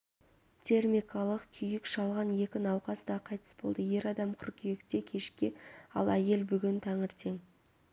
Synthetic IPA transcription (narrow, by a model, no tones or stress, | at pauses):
t̪ʲʰe̞rmikɑlˠəqkʲʰʏjɪkʃɑlˠʁɑnje̞kʲɪnɑwqɑsd̪ɑqʰɑjt̪ʰə̥sbo̞̰lˠd̪əje̞ɾɑd̪ɑmqʰʏrɾkʲʰʏjekt̪e̞kʲʰe̞ʃkʲɪɑ̰lˠæje̞lbʏɡʲɪnt̪ʰɑɴəɾt̪ʰe̞ŋ